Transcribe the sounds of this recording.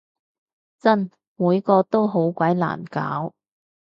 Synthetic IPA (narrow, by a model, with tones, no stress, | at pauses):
t͡sɐ˥n | muː˨˧jkɔː˧t̪o˥wɦo˨˥wkʷɐ˨˥jla̰ː˨˩nka̰ː˨˥w